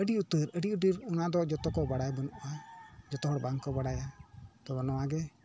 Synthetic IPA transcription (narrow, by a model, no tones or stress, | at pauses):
əɖiut̪əɾəɖiudəɾɔnad̪ɔd͡ʒɔt̪ɔkɔbaɽajbənuʔad͡ʒɔt̪ɔɦɔɽbaŋkɔbaɽajat̪ɔbanɔwaɡɛ